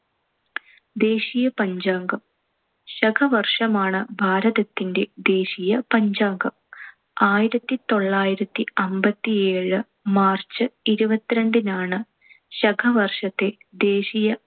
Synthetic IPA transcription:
d̪e̞ːɕijɐpɐɲd͡ʑaːŋɡɐm | ɕɐɡʰʱɐʋɐrʂɐmaːɳɨbʱaːɾɐðɐt̪ːinde̞d̪e̞ːɕijɐpɐɲd͡ʑaːŋɡɐm | aːjiɾɐt̪ːit̪o̞ɭːaːjiɾɐt̪ːiɐmbɐt̪ːieːɻɨ | maːrt͡ɕːɨiɾubɐt̪ːiɾɐɳɖinaːɳɨ | ɕɐɡʰʱɐʋɐrʂɐt̪ːe̞ | d̪e̞ːɕijɐ

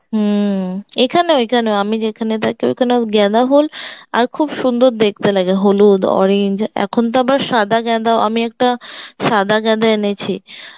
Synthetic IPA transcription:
ɦ | ekʰaneekʰaneoamid͡ʑekʰanet̪akeo̰kʰaneɡɛd̪aɦola̰ɾkʰubʃund̪oɾd̪ek̚ʰt̪elaɡeɦolud̪ɔ̰ɾeɲd͡ʑɛ̰kʰont̪̬aabaɾʃad̪aɡɛd̪aʔa̰miɛk̚ʈaʃad̪ʱaɡɛd̪aenet͡ɕʰi

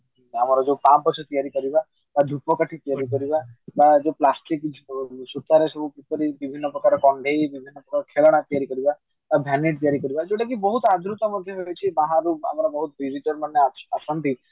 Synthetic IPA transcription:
amɔɾɔd͡ʒewpapːɔt͡ʃʰɔt̪ijaɾikɔɾiba | t̪ad̪ʱupɔkaʈʰit̪ijaɾikɔɾibat̪ad͡ʒeplasʈiksut̪ːaɾesɔbʱukit̪ɔɾibibʱinːɔpɾɔkaɾɔkɔɳɖʱejbibʱinːɔpɾɔkaɾɔkʰelɔɽ̃at̪ijaɾikɔɾiba | t̪abʱaneʈ̚t̪ijaɾikɔɾibad͡ʒeʈakibɔɦut̪ɔad̪ɾut̪ɔmɔd̪ʱjɔɦojt͡ʃʰibaɦãɾua̰mɔɾɔbɔɦut̪ɔbiziʈɔɾmanːeasɔnt̪i

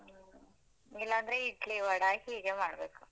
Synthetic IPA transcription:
ilːaːnd̪ɾeiʈliʋɐɽahiːɡeːmaːɽɐbeːku̥

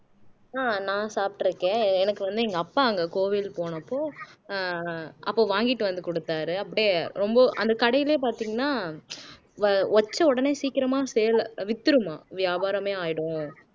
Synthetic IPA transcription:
aːnãːsaːp̚ʈɪɾɯkːẽːɛnɐkːɯʋɐnd̪ɯɛŋɡɐːpːaːɐŋɡɐkoːʋɪlpoːnɐpːoː | ɐpːoːʋaːŋɡɪʈːɯʋɐnd̪ɯkɔɽɯt̪ːaːɾɯɐpːɐɽɪjeɾɔmbɐʔɐ̰nd̪ɐkɐɽɐjɪleːp̬aːɾt̪iːŋɡɐnːaː | ɐt͡ʃːɐɔɽɐneːsiːkɪɾɐmaːsɛjɐlʋɪt̪ːɯɾɯmaːʋɪjaːbaːɾɐmeːaːjɪɽʊ̃

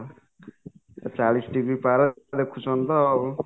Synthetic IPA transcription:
t͡salisʈiɡɾipaɾʌd̪ekʰːusʰʌnt̪ʌːbɔ

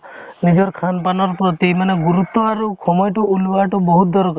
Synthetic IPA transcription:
nid͡ʒɔɾkʰanpanɔɾpɾɔt̪imaneɡuɾut̪ːɔaɾukʰɔmɔjʈuʔulbaʈuboɦut̪̚d̪ɔɾɔk

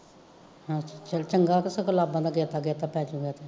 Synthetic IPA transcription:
hãt͡ʃat͡ʃəlt͡ʃəŋɡaːkəsəkəlaːbãːd̪aːɡeːt̪aːɡeːt̪aːpɛːt͡ʃõːɡɛːt̪ʰeː

